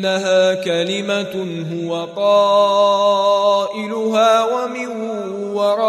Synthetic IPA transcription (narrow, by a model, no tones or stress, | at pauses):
aɦaːkalɪma | ɦʊwaqɑː | ʔɪlʊɦaːwamɪnʊ | wɑɾˤɑ